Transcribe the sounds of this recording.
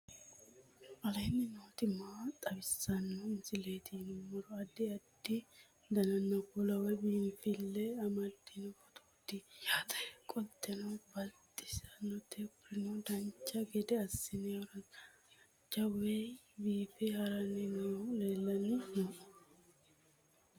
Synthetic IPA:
ɐlɐjnːɪnoːt̪ɪmaːt̪ʼɐbɪsːɐnːɔɪnzɪleːt̪ʰinɪmɔɾɔɐd̪ɪɐd̪ːɪ | d̪ɐnɐnːɐɡʊlɐwɛbiːnfɪlːɛɐmɐd̪ːɪnʊfɔt̪ʰuːd̪ɪjaːt̪ɐkʼɔt̪ʰʼːɛnɐbɐlt̪ʼːɪ̥sɐnːɔt̪ɛpɾɪnɔd̪ɐnt͡ʃːɐɡɛd̪ɛɐsːɪnɪɐɾɐ | d͡ʒɐwɛ | biːfɛhɐɾɐnɪnɐleːlːɐnɪnoʔ

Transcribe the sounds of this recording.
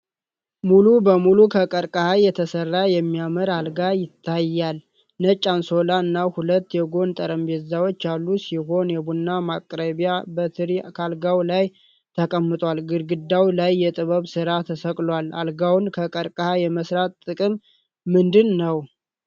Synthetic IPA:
mulubəmulukʰəkʼəɾkʼəhajːɛt̪ʰəsərːajɛmːijamɨɾalɡajɪt̪ʰːajːal | nət͡ʃʼːanso̞laɨnːahulət̪ːjɛɡo̞nt̪ʼəɾəmbet̪zawot͡ʃːalːusiho̞njɛbunːamakʼɾəβijabət̪ʰɨɾikʰalɡawlaj | t̪ʰəkʼəmːɨt̪ʼwalɡɨɾɡɨd̪ːawlajːɛt̪ʼɨβəβsɨɾat̪ʰəsəkʼlwala̰lɡawnkʰəkʼəɾkʼəhajɛməsɾat̪t̪ʼːɨkʼɨmː | ɨnd̪ɨnːəw

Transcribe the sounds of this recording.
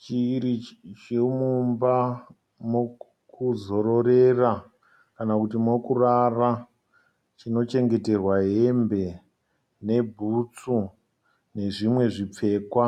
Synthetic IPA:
t͡ʃiɾit͡ʃemumba | mo | kuzo̞ɾo̞ɾe̞ra | kanakutimokurara | t͡ʃino̞t͡ʃe̞ŋɡe̞te̞rwaɦe̞mbe̞ | ne̞bʱut͡su | ne̞ʐimwe̞ʐip͡fe̞ːkwa

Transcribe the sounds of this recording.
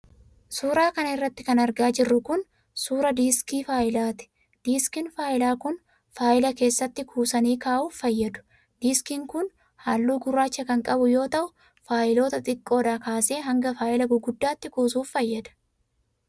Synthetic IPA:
suːɾaːkɐnɐɪrːɐt̪ːɪkɐnɐɾɡaːd͡ʒɪrːʊkʊn | suːɾɐd̪iːskiːfaːjɪlaːt̪ɪ̥ | d̪̥iːskɪnfaːʔɪlaːkʊn | faːʔɪlɐke̞ːsːɐt̪ːɪkʰuːsɐniːkaːʔuːffɐjːɐd̪ʊ̥ | d̪iːskiːŋkʊn | haːlːuːɡʊrːaːt͡ʃːɐkɐŋkʼɐbʊjo̞ːt̪ɐʔʊ | faːjɪlo̞ːt̪ɐt̪ʼɪkʼːo̞ːd̪aːkaːse̞ːɦɐŋɡɐfaːʔɪlɐɡʊɡʊd̪ːaːt̪ːɪkuːsuːfːɐjːɐd̪ɐ̥

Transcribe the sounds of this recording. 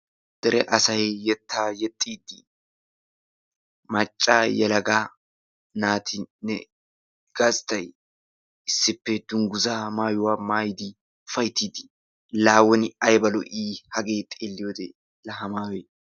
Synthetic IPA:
d̪̥ɛɾɛʔɐsɐjjɛt̪ʰːaːjɛt̪ʼːiːd̪ːɪ | mɐt͡ʃʼːaːjɛlɐɡaː | naːt̪ʰɪnːɛ̰ | ɡ̥ɐst̪ɐj | ɪsːɪpːɛd̪̥ʊŋɡʊzamaːjʊwaːmaːjɪd̪ɪ | fɐjt̪ːiːd̪ɪ̥ | laːwɔnɪɐjbɐlɔ̰ʔiːhɐɡeːt̪ʼeːlːɪjod̪ḛː | lɐɦɐmaːwe

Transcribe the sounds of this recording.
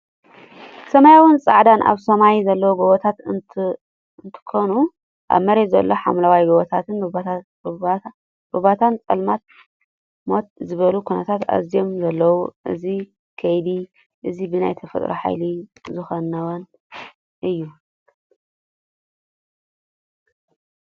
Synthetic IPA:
sɐmajawɨnsʼaʕd̪anʔa̰βsɐmajzɐlːɐwoɡoβot̪ʰat̪ | nt̪ʰɨ̥kʰonu | ʔa̰βmɐɾet̪zɐ̰lːo̞ħa̰mlawajɡɐβot̪ʰat̪ʰɨn | b̥uβat̪ʰant͡sʼɐlmat̪̚ | mot̪̚zɨβɐlukʰunɐt̪ʰat̪a̰zijo̞mzɐlːɐwuʔɨ̰zi | kʰɐjd̪i | ʔɨzibɨna̰jt̪ʰɐfɐ̰t̪ʼɾo̰ħa̰jlizɨxonːawɐn | ʔɨjːu

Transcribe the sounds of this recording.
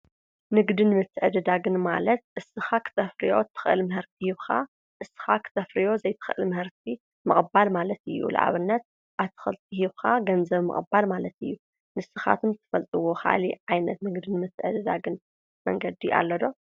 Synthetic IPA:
nɨɡd̪ɨnmɨt̪ʰːɨʕɨd̪ɨd̪aɡɨnmalɐt̪̚ʔɨsːɨxakʰɨ̥t̪ʰɐfɾijo̞̰t̪ʰːɨ̥xʔɨlmɨhɨɾt̪̚ʰihiβxʰa | ʔɨsɨ̥xakʰɨ̥t̪ʰɐfɾijo̞zɐjt̪ʰɨ̥xʔɨ̰lmɨhɨɾt̪̚ʰi | mɨχʼɨbalmalɐt̪ɨjːṵla̰ʕa̰βɨnːɐt̪̚ | ʔaβt̪ʰːɨ̥xɨ̰lt̪ʼʰihiβxaɡɐnzɐβmɨ̰χʼɨbalmalɐt̪ɨjːu | nɨsːɨxa̰t̪ʰɨmt̪ʰɨ̥fɐlt̪ʼɨwoxa̰liʕajnɐt̪nɨɡd̪ɨnmɨt̪ʰːɨʕɨd̪ɨd̪aɡɨn | mɐ̰ŋɡɐd̪iʔa̰lːɐd̪o̞

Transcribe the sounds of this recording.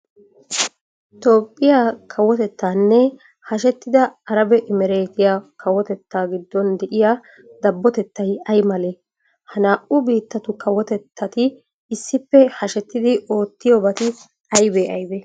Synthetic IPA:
t̪o̞ːpʼːɪjakʰɐwɔt̪ɛt̪ːaːnːɛ | hɐʃɛt̪ːɪd̪ɐːɾɐbɛʔɪmɛɾeːɡɪjakɐwɔt̪ɛt̪ːaːɡɪd̪ːɔnd̪ɛʔɪja | d̪ɐbːɔt̪ɛt̪ːɐjɐjmɐle | hɐnaːʔʊbiːt̪ːɐt̪ʊkɐwɔt̪ɛt̪ːɐt̪ɪː | sːɪpːɛhɐʃɛt̪ːɪd̪ɪʔo̞ːt̪ːɪjobɐt̪ɪ | ɐjbeʔɐjbɛ

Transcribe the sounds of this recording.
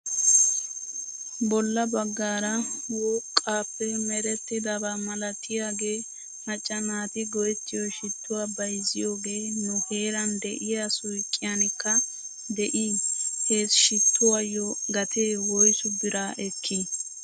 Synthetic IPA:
bɔlːɐbɐɡːaːɾɐwɔːkʼːaːpːɛmɛɾɛt̪ːɪd̪abɐmɐlɐt̪ːɪjaːɡe̞ː | mɐt͡ʃʼːɐnaːt̪ɪɡɔjɛt̪ːɪjɔʃɪt̪ːʊwaːbɐjzɪjo̞ːɡe̞ːnʊhe̞ːɾɐnd̪ɛʔɪjaːsʊjkʼːɪjanɪkːɐ | d̪ɛʔiheːsʃɪt̪ʰːʊwajːɔɡɐt̪ʰeːwɔjsʊb̪ɪɾaːʔɛkʰːi

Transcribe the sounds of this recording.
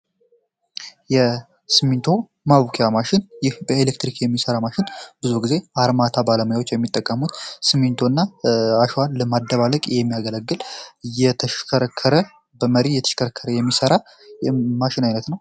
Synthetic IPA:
jɛ | sɨmːint̪ʰo̞ | maβukʰejamaʃɪnjɪhbəelekt̪ɾikjɛmːisəɾamaʃɪnb̥ɨzuɡize̞aɾmat̪ʰabaləməjawo̞t͡ʃːjɛmːit̪ʼːəkʼːəmut̪sɨmːint̪ʰo̞ɨnːaaʃwanləmad̪ːəβaləkʼjɛmːijaɡələɡːɨljɛt̪ʰəʃkʰəɾəkʰːəɾə | bəməɾijɛt̪ʰə̥ʃkʰəɾəkʰːəɾəjɛmːisəɾa | jmaʃɪnajnət̪nəw

